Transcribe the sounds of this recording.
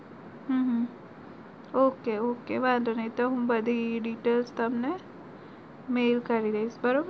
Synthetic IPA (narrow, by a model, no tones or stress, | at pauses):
ɦə̃ːɦ | oːkeoːkeʋãːnd̪onɐit̪oɦũmbɐd̪ʱiɖiːʈeːlst̪ɐmne | meːlkɐɾid̪ɐisbɐɾob